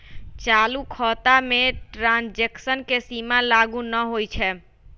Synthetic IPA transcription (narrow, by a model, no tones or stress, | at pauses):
t͡ʃalukʰɔt̪ameʈɾãnd͡ʒeksənkesimalaɡunəɦojt͡ʃʰɛ